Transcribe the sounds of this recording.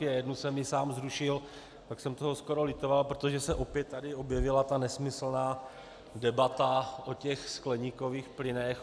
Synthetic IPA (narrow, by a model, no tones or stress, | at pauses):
ɪajɛdnusɛmjɪsaːmzɾuʃɪl | paksɛmt̪oɦosko̞ɾo̞lɪt̪o̞valpɾot̪oʒɛsɛʔo̞pjɛt̪ːadɪo̞bjɛvɪlat̪anɛsmɪsl̩naː | dɛbat̪aʔo̞cɛxsklɛɲiko̞viːxplɪnɛx